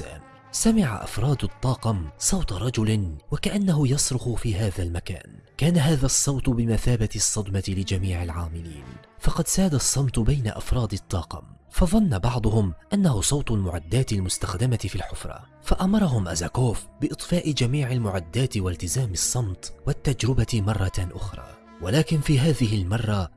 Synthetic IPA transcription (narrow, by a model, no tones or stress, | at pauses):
a̰ːm | samɪʕa̰ʔa̰fɾˤɑːd̪ʊt̪ˤːɑːqɑmsˤɑwt̪ˤɾˤɑd͡ʒʊlwakaʔanːaɦʊjɑsˤɾʊxʊfiːɦaːðalmaka̰ːnkaːnaɦaːðasˤːɑwt̪ˤbɪmaθaːbat̪ɪsˤːɑd̪mɑt̪ɪlɪd͡ʒamiːʕɪlʕaːmɪlḭːnfɑqɑd̪saːd̪asˤːɑmt̪ˤbajna̰ʔa̰fɾˤɑːd̪ɨt̪ˤːɑːqɑ̰mfɑðˤɑnːabɑʕd̪ˤʊhʊmʔanːahʊsˤɑwt̪ˤʊlmʊʕa̰d̪ːaːt̪ɪlmʊst̪axd̪amat̪ɪfilħʊfɾˤɑ̰ː | faʔamɑɾˤɑɦʊmʔazakoːfbɪʔɨt̪ˤfɑːʔɪd͡ʒamiːʕɪlmʊʕad̪ːaːt̪ɪwalt̪ɪzaːmɨsˤːɑmt̪wat̪ːad͡ʒɾɪbat̪mɑrˤːɑt̪ʔʊxɾˤɑ̰ː | walaːkɪnfiːɦaːðɪɦɪlmɑrˤːɑ